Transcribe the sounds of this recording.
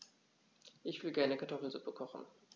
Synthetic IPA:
ʔɪçv̥ɪlɡɛɐnəkʰaɐtʰɔfl̩zupəkʰɔχn̩

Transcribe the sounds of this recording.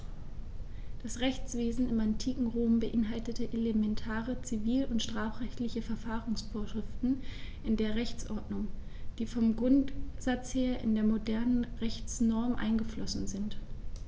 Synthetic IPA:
d̥asʁɛçt͡sv̥eːzn̩ɪmantʰiːkŋ̩ʁoːmbəʔɪnɦaltətəʔelemɛntʰaːʁət͡siviːlʊntʃtʁ̥aːfʁɛçtlɪçəfɛɐfaːʁʊŋsfoːɐʃʁ̥ɪftn̩ʔɪndeːɐʁɛçt͡sʔɔɐdnʊŋd̥iːfɔmɡʁʊntz̥at͡sheːɐʔɪ̰ndeːɐmodɛɐnənʁɛçt͡snɔɐmʔa̰ɪnɡəflɔsn̩zɪnt

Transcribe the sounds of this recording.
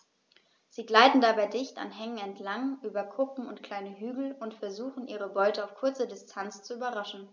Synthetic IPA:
z̥iːɡlaɪtn̩dabaɪdɪçta̰nɦɛŋənɛntʰlaŋʔyːbɐkʰʊpm̩ʊntkl̥aɪnəɦyːɡl̩ʊntfɛɐzuːxn̩ʔiːʁəbɔʏtəaʊfkʰʊɐt͡sədɪstʰant͡st͡suyːbɐʁaʃn̩

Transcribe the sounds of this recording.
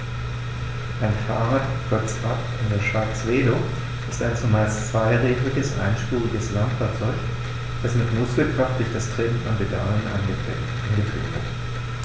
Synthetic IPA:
ʔaɪnfaːʁaːtɡ̥ɔt͡sʔap | ɪndeɐʃv̥aɐt͡sv̥eːlo | ʔɪstaɪnt͡sumaɪst͡sv̥aɪʁeːdlɪɡəsʔa̰ɪnʃpuːʁɪɡəslantfaɐt͡sɔʏç | d̥asmɪtnʊskl̩kʰʁ̥afd̥ʊɐçd̥astʁ̥ɛnn̩ʊnb̥əda̰ːənʔa̰ | anɡətḭːbm̩v̥ɪɐt

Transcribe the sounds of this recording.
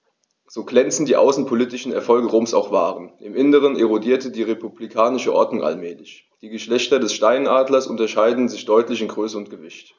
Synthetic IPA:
z̥oːɡlɛnt͡sn̩d̥iːʔa̰ʊsn̩pʰolitɪʃn̩ɛ̰ɐfɔlɡəʁoːmsa̰ʊxv̥aːʁənʔɪmʔɪnəʁ̞ənʔeʁodiːɐtədiːʁepublikʰaːnɪʃəʔɔɐdnʊŋʔa̰lmɛːlɪç | d̥iːɡəʃlɛçtɐdɛsʃtaɪnaːdlɐsʔʊntɐʃaɪdn̩zɪçd̥ɔʏtlɪçɪnɡʁøːsəʊnt̚ɡ̥əvɪçt

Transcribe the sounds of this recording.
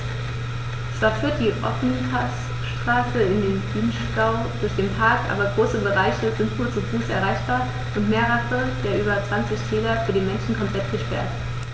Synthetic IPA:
t͡sv̥aːɐfyːɐt̚d̥iːʔɔ̰fnipʰas | ʃtʁ̥aːsəɪndeːnb̥yːnʃtaʊ | d̥ʊɐçd̥eːnpʰaɐkʔa̰ːbɐɡʁoːsəbəʁaɪçəzɪntkʰuːɐt͡sufuːsɛ̰ɐʁ̞aɪçb̥aːɐ | ʔʊntmeːɐʁafəd̥eːɐʔyːbɐt͡sv̥ant͡sɪçtʰeːlɐfyːɐdeːnmɛnʃn̩kʰɔmpl̥ɛtɡ̥əʃpɛɐt

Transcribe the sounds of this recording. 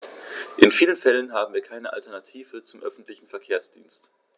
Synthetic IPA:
ʔɪnfiːlənfɛlənɦaːbm̩viːɐkʰaɪnəʔa̰ltɛɐnatʰiːvət͡sʊmʔœ̰fn̩tlɪçn̩fɛɐkʰeːɐsd̥ḭːnst

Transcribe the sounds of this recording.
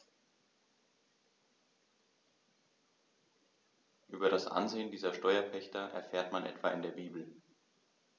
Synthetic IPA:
ʔyːbɐɾasʔa̰nzeːəndiːzɐʃtɔʏɐpʰɛçtɐʔɛ̰ɐfeːɐtmanʔɛ̰tv̥aːɪndeːɐbiːbl̩

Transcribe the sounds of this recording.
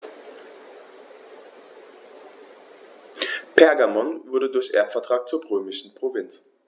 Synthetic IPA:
pʰɛɐɡamɔnvʊɐdədʊɐçʔɛ̰ɐtfɛɐtʁ̥aːk̚t͡suːɐʁøːmɪʃn̩pʁ̥ovɪnt͡s

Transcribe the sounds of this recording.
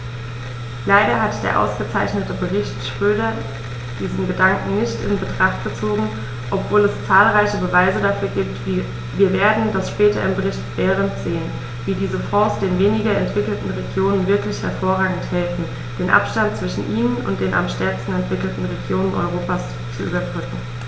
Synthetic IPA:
laɪɾɐɦatd̥ḛːɐʔa̰ʊsɡ̥ət͡saɪçnətəbəʁɪçtʃʁ̥øːɾɐ | d̥iːzn̩ɡədaŋkŋ̩nɪçtɪ̰nbətʁ̥aχt̚ɡ̥ət͡soːɡŋ̩ | ʔɔpv̥oːlɛst͡saːlʁaɪçəbəvaɪzədafyːɐɡiːp̚tː | viːɐveːɐdn̩dasʃpɛːtɐ̰ʔɪmbəʁ̞ɪçtv̥ɛːʁ̞əntz̥eːən | viːdiːzəfɔːsd̥eːnveːnɪɡɐɛntv̥ɪkl̩tn̩ʁeɡjoːnənvɪɐklɪçhɛɐfoːɐʁaːɡŋ̩thɛlfn̩ | d̥eːnʔa̰pʃtant̚t͡sv̥ɪʃn̩ʔiːnənʊ̰nt̚d̥eːna̰mʃtɛɐkstn̩ɛntv̥ɪkl̩tn̩ʁeɡjoːnənʔɔ̰ʏʁ̞oːpaːs | t͡suʔy̰ːbɐbʁʏkŋ̩

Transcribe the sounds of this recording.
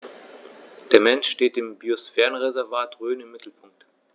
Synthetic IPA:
d̥eːɐmɛnʃʃteːt̚d̥eːmbiosfɛːʁənʁezɛɐvaːtʁøːnɪmːɪtʰl̩pʰʊŋk̚t

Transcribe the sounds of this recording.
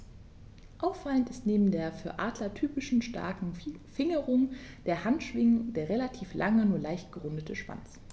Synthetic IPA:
ʔaʊfːaləntɪstneːbm̩deːɐfyːɐʔaːdlɐtʰyːpɪʃn̩ʃta̰ɐkŋ̩fɪŋəʁʊŋd̥eːɐhantʃv̥ɪŋd̥eːɐʁelatʰiːflʔaŋənuːɐlaɪçt̚ɡ̥əʁʊndətʰəʃv̥a̰nt͡s

